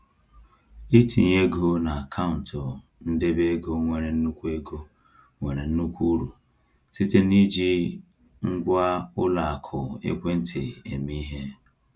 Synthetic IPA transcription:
i˦tʰḭ˨ɲe˦ɡo˦na˨a˨kʰa˦ʊ˨n̩˨tʊ˨ | n̩˦de˦be˦ɡo˦ŋʷe˨ɾe˨n̩˦nu˦kʷu˦e˦ɡo˦ | ŋʷe˨ɾe˨n̩˦nu˦kʷu˦ɾu˨ | si˦te˦ni˦d͡ʒi˦ | ŋ̩˦ɡʷa˦ʊ˦la˨a˨kʰʊ˨ḛ˦kʷe˦n̩˦tʰɪ˨e˨mi˦ɦe˦

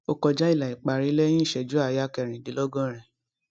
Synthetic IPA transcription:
o˧kɔ˧d͡ʒa˦i˦˨la˨i˨k͡pa˨ɾi˧˦lɛ˦jĩ˦˨ʃɛ˨d͡ʒu˨˦a˦˨ja˦kɛ˨ɾ̃ĩ˨di˨˦lɔ˦ɡɔ̃˦ɾ̃ɛ̃˨

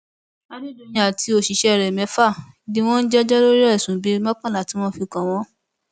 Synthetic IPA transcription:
a˦nĩ˦do˧j̃ã˧a˨ti˧o˦˨ʃi˨˦ʃɛ˧˦˨ɾɛ˨mɛ̃˨˦fa˦˨ | nĩ˧w̃ɔ̃˦n̩˦d͡ʒɛ˦d͡ʒɛ˦lo˦ɾɛ˦˨sũ˨˦bi˦mã˦k͡pã˦˨la˨ti˨˦w̃ɔ̃˦fi˧kã˨w̃ɔ̃˦

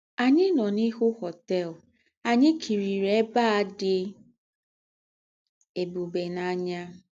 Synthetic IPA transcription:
a˨ɲɪ˦nɔ˨ni˦ɦʊ˦hɔ˨tɛ˦˨l | a˨ɲɪ˦kʰi˨ɾi˨ɾe˦ba˦a˨˦dɪ˦ | e˨bu˨be˨na˦ɲa˦

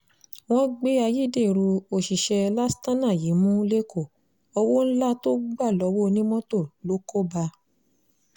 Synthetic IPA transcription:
w̃ɔ̃˦ɡ͡be˦a˧ji˦˨de˦˨i˨ɾu˧o˨ʃi˨ʃɛ˧la˦stã˦nã˦˨ji˨˦mũ˦le˦ko˦˨ | ɔ˧wo˦n̩˦la˦to˦ɡ͡ba˦˨lɔ˨˧˦wo˦˧nĩ˦mɔ̃˦to˦˨lo˨˦ko˦ba˧

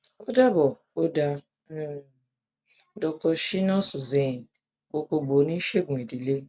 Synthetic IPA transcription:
o˦da˦bɔ˨ | o˦da˦ | dɔ˧kɔ˧ʃi˦nɔ˦su˨ze˨n˨ | o˧k͡po˧ɡ͡bo˨˦nĩ˦ʃe˦ɡũ˨e˨di˨le˦

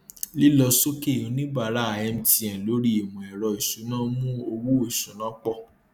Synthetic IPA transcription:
li˦lɔ˧so˦ke˦˨ũ˨˧˦nĩ˦ba˧˨˦ɾa˦˨ɛ˧m̩˦ti˧˦ɛ̃˨lo˨˦ɾi˦i˨mũ˨ɛ˨ɾɔ˧i˨ʃu˨˦nã˦mũ˦o˧wu˦o˦˨ʃu˨˦nã˦k͡pɔ˦˨

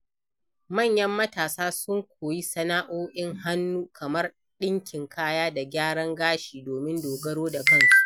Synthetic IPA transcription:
mɐ˦˨ɲjɐ˦mːɐ˦taː˨saː˦sʊ˦ŋkʷʰoː˨ji˦sɐ˦naː˦ʔoː˦ʔɪ˦ŋɦa˦nːuː˦kʰɐ˨mɐ˦r | ɗɪ˦ŋkʲɪ˨ŋkʰaː˦jaː˦da˨ɡʲaː˦ɽɐ˦ŋɡaː˦ʃiː˨doː˨mɪ˦ndoː˨ɡɐ˦ɽoː˦da˨kɐ˦ŋʃ

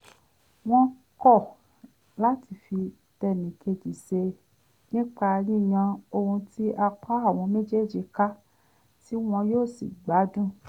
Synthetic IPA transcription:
w̃ɔ̃˦ | kɔ˦˨ | la˦ti˧˨fi˧ | tɛ˧nĩ˨kʰe˧d͡ʒi˨se˧ | nĩ˦k͡pa˧ɾĩ˦˨j̃ã˧o˧hũ˧ti˦ʔa˧k͡pa˦a˦˨w̃ɔ̃˧me˦d͡ʒe˦˨d͡ʒi˧ka˦ | ti˦w̃ɔ̃˧joː˦˨sḭ˨ɡ͡ba˨˦dũ˦

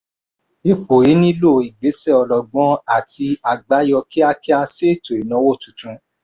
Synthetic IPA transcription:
i˧k͡po˨ji˨˦nĩ˦lo˦˨i˨ɡ͡be˨˦sɛ˦˨ɔ˨lɔ˨ɡ͡bɔ̃˦a˦˨ti˧a˨ɡ͡ba˨˦jɔ˧ki˦a˧ki˦a˧se˦˨to˨i˨nã˨˦wo˦˨tũ˨tũ˧˦

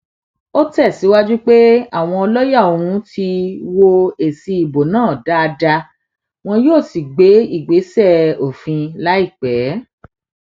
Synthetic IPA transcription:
o˦tɛ˦˨si˨˦wa˦d͡ʒu˦k͡pe˦a̰˦˨w̃ɔ̃˧ɔ˧lɔ˦ja˦˨o˨ũ˨˦ti˧wo˧e˨si˧i˨bo˨nãː˦˨da˦a˧da˧ | w̃ɔ̃˧joː˦˨si˨ɡ͡be˨˦i˦˨ɡ͡be˨˦sɛ˦˨o˨fĩ˧la˨˦i˦˨k͡pɛ˨˦

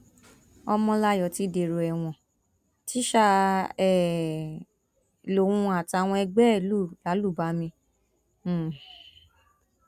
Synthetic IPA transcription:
ɔ˧mɔ̃˧la˧˦jɔ˨ti˧˦de˨ɾo˨ɛ˨w̃ɔ̃˨ | ti˦ʃa˧˦ɛ˨ | lo˨wũ˧a˨ta˨˧˨w̃ɔ̃˧ɛ˧ɡ͡bɛ˦˨lu˦˨la˨˦lu˦˨ba˨˦mĩ˧˦˨

